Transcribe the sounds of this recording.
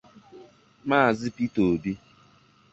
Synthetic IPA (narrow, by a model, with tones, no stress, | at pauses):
ma˦a˨zɪ˦pi˦to˨bi˦